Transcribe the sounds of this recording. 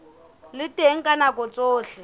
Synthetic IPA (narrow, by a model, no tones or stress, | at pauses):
lɪtʼeŋ̩kʼanakʼɔt͡sʼoːɬɛ